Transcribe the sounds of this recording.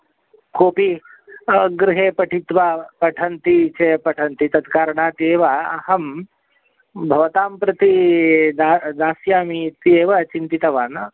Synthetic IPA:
koːpi | ɡɾɪɦeːpɐʈʰit̪ʋaːpɐʈʰɐnt̪it͡ʃepɐʈʰɐnt̪it̪ɐd̪kaːɾɐɳaːt̪eːʋaːɐ̰hɐm | bʱɐʋɐt̪aːmpɾɐt̪id̪ad̪aːsjaːmit̪ieːʋɐt͡ʃint̪it̪ɐʋaːnɐ

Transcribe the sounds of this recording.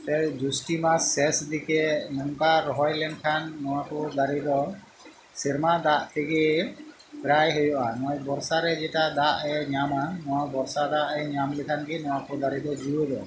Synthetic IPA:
t̪ɛd͡ʒusʈimasːɛsd̪ikɛnɔŋkaɾɔɦɔjlɛɳɖkʰanːɔwakɔd̪aɾid̪ɔ | siɾmad̪aʔt̪iɡɛ | ɡɾajɦɔjɔʔanajbɔɾsaɾɛd͡ʒɛʈad̪aʔɛɲamanɔwabɔɾsad̪aʔɛɲamlɛkʰanɡinɔw̃akɔd̪aɾid̪ɔd͡ʒuod̪ɔ

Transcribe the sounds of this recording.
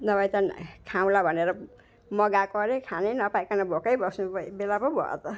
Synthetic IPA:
nʌbʌjt̪akʰaw̃labʱʌneɾʌ | mʌɡakʌɾekʰanenʌpajkanʌbʱokʌjbʌsnubelapʌbʱʌ̰t̪ʌ

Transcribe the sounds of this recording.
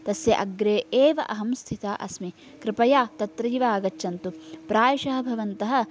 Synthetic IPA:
t̪ɐsjɐʔɐɡɾeːʔeːʋɐʔɐɦɐmst̪ʰit̪aːʔɐ̰smi | kɾɪpɐjaːt̪ɐt̪ɾiːʋaːɡɐt͡ʃːʃɐnt̪upɾaːjɐʃɐɦɐ̆bʱɐʋɐnt̪ɐɦɐ̆

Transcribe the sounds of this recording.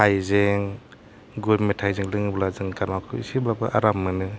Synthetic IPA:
hajzeŋ | ɡuɾmetʰajzeŋlɯŋɯblazɯŋkaɾmakʰɯḭsiblabɯ̰ʔaɾamːɯnɯ

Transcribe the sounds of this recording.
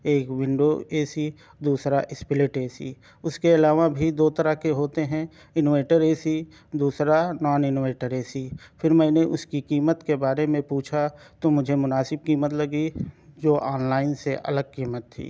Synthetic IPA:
eːkwɪ̃ɳɖoeːsi | d̪uːsɾaʔɪspɪleːʈeːsḭ | ʊskeɐlaːʋabʱid̪oːt̪ɐɾaɦkeɦoːt̪eɦɛ̃ | ɪnoːʋeːʈəɾeːsi | d̪uːsɾanɔːnɪnoːʋeːʈəɾeːsifʰɪɾmɛ̃ːneʔʊskikiːmət̪kebaːɾemẽpuːt͡ʃʰa | t̪omʊd͡ʒʱemʊnaːsɪb̚kiːmət̪lɐɡid͡ʒoːʔaːnlaːɪnseʔɐ̰ləɡ̚kiːmət̪ʰːḭː

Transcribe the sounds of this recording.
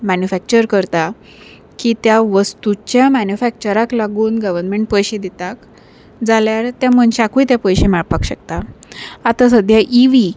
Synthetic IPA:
mænjufæk̚t͡ɕəɾkəɾt̪a | kit̪jaʋəst̪ut͡ɕjamænjufæk̚t͡ɕəɾaklaɡuːnɡəʋəɾnmeɳʈ̚pəjɕed̪et̪ak | d͡zaljaɾt̪jamənɕakujt̪japəjɕemɛɭpakɕəkt̪aat̪asəd̪ʱjaʔiʋi

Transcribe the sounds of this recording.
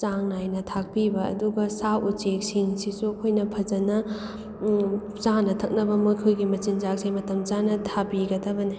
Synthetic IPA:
t͡ʃaŋnajnɐtʰak̚pibɐɐ̰duɡɐsawut͡ʃek̚siŋsisuɐkʰojnɐpʰɐd͡ʒɐnɐ | t͡ʃanɐtʰɐk̚nɐbɐmokʰojɡimɐt͡ʃind͡ʒak̚seŋmɐtɐmt͡ʃanɐtʰabiɡɐdɐbɐni

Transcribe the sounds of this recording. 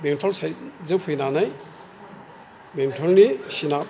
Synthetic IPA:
bemtʰɔlsajzɯŋpʰɯjnanaj | bemtʰɔlnisina

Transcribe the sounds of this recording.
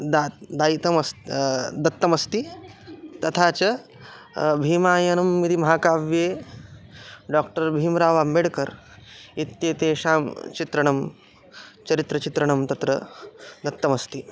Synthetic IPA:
d̪ad̪aːit̪ɐmɐst̪d̪ɐt̪ːɐmɐst̪i | t̪ɐt̪ʰaːt͡ʃɐ | bʱiːmaːjɐnɐmːid̪imɐɦaːkaːʋjeː | ɖaːkʈɐɾbʱiːmɾaːʋaːmeɽkɐɾ | it̪jeːt̪eːʃaːmt͡ʃit̪ɾɐɳ̃ɐm | t͡ʃɐɾit̪ɾɐt͡ʃit̪ɾɐɳ̃ɐmt̪ɐt̪ɾɐd̪ɐt̪ːɐmɐst̪i

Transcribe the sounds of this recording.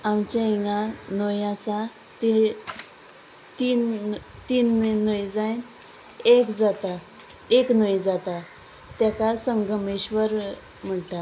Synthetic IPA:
amt͡ɕaiŋɡãnojasa | t̪i | t̪iːnt̪iːnːojd͡zajn | ekd͡zat̪a | eknojd͡zat̪a | t̪jakasəŋɡəmeɕʋəɾ | m̤əʈa

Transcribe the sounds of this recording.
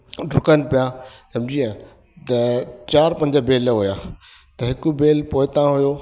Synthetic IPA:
ʈʊkənɪ̆pijãsɐmd͡ʑiːə̃ | t̪ɐt͡ɕaːɾpɐ̃ɲd͡ʑəbeːlɦujaː | t̪ɐɦɪkubeːlpoːɪt̪ãɦʊjoː

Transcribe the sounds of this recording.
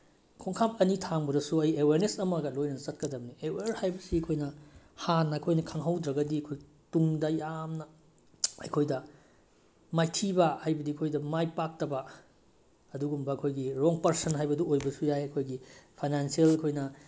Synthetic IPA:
kʰoŋkʰap̚ɐnitʰaŋbɐdɐsuɐjeweɾnesɐmɐɡɐlojnɐnɐzɐt̚kɐdɐmnieweɾhajbɐsiɐkʰojnɐ | hanːɐːkʰojnɐkʰaŋɦawdɾɐɡɐdiɐkʰoj | tuŋdɐjamnɐ | ɐ̰jkʰojdɐ | majtʰibɐhajbɐdiɐkʰojdɐmajpak̚tɐbɐ | ɐduɡumbɐɐkʰojɡiɾɔŋpɐɾsɐnɦajbɐduojbɐsujajɐkʰojɡipʰajnansielkʰojnɐ

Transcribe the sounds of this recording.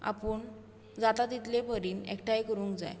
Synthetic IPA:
a̰pəɳ | d͡zat̪at̪it̪lepəɾiːnḛkʈajkəɾuːŋkd͡za̰j

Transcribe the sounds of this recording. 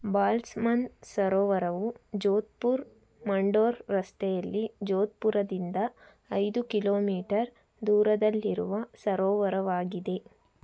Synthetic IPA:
baːlsmɐnsɐɾɔːʋɐɾɐʋud͡ʒoːt̪̚puɾ | mɐɳɖoːɾɾɐst̪ɛjɐlːid͡ʒoːt̪̚puɾɐd̪ind̪ɐː | jd̪ukiloːmiːʈɐɾ | d̪uːɾɐd̪ɐlːiɾṵʋɐsɐɾɔːʋɐɾɐʋaːɡid̪e̞

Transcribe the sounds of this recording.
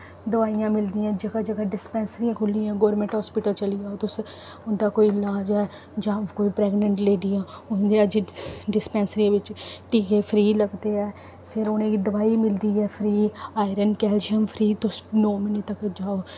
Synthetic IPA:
d̪əʋaːijãːmɪld̪iːãːd͡ʒəɡaːd͡ʒəɡaːɖɪspɛ̃ːnsəɾijãːkʰʊlːiãːɡɔːɾmɛ̃ɳʈɦɔːspɪʈəlt͡ʃəliːaːoːt̪ʊs | ʊnd̪aːkoːiɪlaːd͡ʒɛː | d͡ʒãːkoːiːpɾɛːɡnəɳʈleːɖijãːʊnd̪eːəd͡ʒiɖɪspɛ̃ːnsəɾiãʋɪt͡ʃʈiːkeːpʰɾiːləɡd̪eːɛː | pʰɪɾonẽːd̪əʋaːiːmɪld̪iːɛːpʰɾiːaːɪɾənkɛːlʃiəmpʰɾiːt̪ʊsnoːmɪneːt̪əkd͡ʒaːoː

